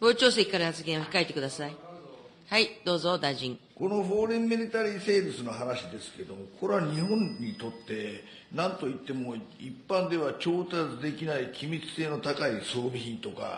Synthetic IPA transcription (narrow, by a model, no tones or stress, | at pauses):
ɡo̞ːt͡ɕo̞ːs̬ekʲikːaɾahat͡sɨɡẽɰ̃oçi̥kaet̪e̞kɯ̟d̪asai | haid̪̥o̞ːzo̞d̪aiʑĩŋko̞no̞ɸo̞ːɾẽmːiɾʲit̪aɾʲiːse̞ːɾɯsɨno̞ɦanaɕid̪e̞sɨ̥ke̞d̪o̞mo̞kʰo̞ɾeβaɲ̟iɦõ̞ɲɲ̟ːit̪o̞t̪ːe̞ | nãnt̪o̞it̪ːe̞mo̞ipːãnd̪e̞βat͡ɕo̞ːt̪at͡sɨd̪e̞kʲinaikʲimʲit͡sɨ̥se̞ːno̞t̪akaiso̞ːbʲiçĩnt̪o̞ka̰